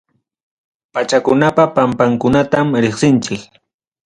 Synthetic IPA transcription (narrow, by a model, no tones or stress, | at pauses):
pat͡ʃakʊnapapampaŋkʊnat̪amɾeχsɪnt͡ʃɪk